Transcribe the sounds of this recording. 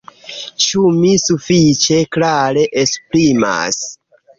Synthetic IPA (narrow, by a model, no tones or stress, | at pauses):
t͡ʃumisufit͡ʃe̞klaɾe̞ʔespɾima̰s